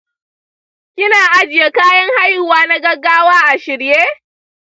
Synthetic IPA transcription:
kʲɪ˦naː˨ʔa˦d͡ʒɪ˨je˦kaː˦jɐ˦ŋha˦jhʊ˨waː˦na˦ɡɐ˦ɡaː˦waː˦ʔa˨ʃɪ˨ɽjeː˦

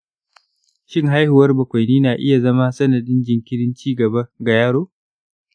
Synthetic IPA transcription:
ʃɪ˦ŋɦa˦jhʊ˨wɐ˦rbɐ˨kʷa˨jniː˦naː˨ʔɪ˦ja˨zɐ˦ma˦sɐ˦nɐ˨dɪ˦nd͡ʒɪ˨ŋkʲɪ˦ɽɪ˦nt͡ʃiː˦ɡɐ˨ba˦ɡa˨jaː˦ɽoː˦

